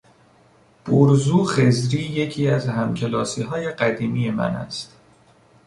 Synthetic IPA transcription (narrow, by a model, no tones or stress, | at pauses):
b̥oɾzuːxe̞zɾiːje̞cʰiːæzhæmcʰe̞lɒːsiːɦɒːje̞ɢæd̪iːmiːje̞mæ̰næ̰st̪